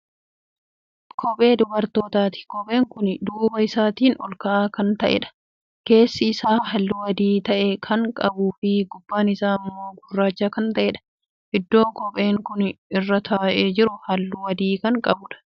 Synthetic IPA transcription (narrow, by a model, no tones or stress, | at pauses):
kʰɔpʼe̞ːd̪ʊbɐɾt̪o̞ːt̪aːt̪ɪ̥kɔpʼe̞ːŋkʊnd̪uːbɐɪsaːt̪iːnɔ̰lkɐʔaːkɐnt̪ɐʔɛ̰ᶑɐ̥ | ke̞ːsːɪːsaːɦɐlːʊwɐd̪iːt̪ɐʔɛkʰɐŋkʼɐbuːfɪɡʊbːaːnɪsaːɐmːo̞ːɡʊrːaːt͡ʃːaːkɐnt̪ɐʔɛːᶑɐ̥ | ʔɪd̪ːo̞ːkɔpʼe̞ːŋkʊnɪrːɐt̪ʰɐːʔeːd͡ʒɪɾʊhɐlːʊwɐd̪iːkɐŋkʼɐbʊᶑɐ̥